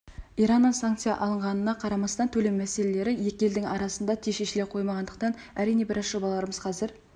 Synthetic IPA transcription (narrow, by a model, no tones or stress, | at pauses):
ijɾɑnːəɴsaŋkt̪sijɑ̰ʔɑlˠəɴʁɑnənɑqʰɑɾɑmɑst̪ɑnt̪ʰɵlemmæse̞lele̞ɾɪje̞kʲɪe̞ld̪ɪŋɑɾɑsənd̪ɑt̪ʰeʃeʃɪleqʰo̞jmɑʁɑnd̪əq̚t̪ɑn | æɾijne̞bɪɾɑzʒo̞bɑlˠɑɾəməzqʰɑzɪɾ